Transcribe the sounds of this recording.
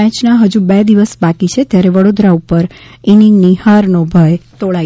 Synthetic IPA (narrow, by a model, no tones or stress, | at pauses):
ɛ̃t͡ʃnaɦəd͡ʒũbed̪iʋəsbakit͡ʃʰet̪jaɾeʋəɽod̪ɾaupəɾiniŋɡnihaɾnobʱəjt̪oɭa